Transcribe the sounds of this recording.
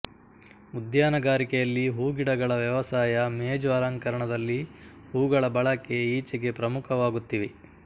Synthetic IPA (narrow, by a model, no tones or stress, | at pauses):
ud̪jaːnɐɡaːɾikɛjɐlːiɦuːɡiɽɐɡɐɭɐʋjɐʋɐsaːjɐmeːd͡ʒʋɐɾaŋkɐɾɐɳɐd̪ɐlːi | huːɡɐɭɐbɐɭɐkːe̞iːt͡ʃɐɡe̞pɾɐmukʰɐʋaːɡut̪ːiʋe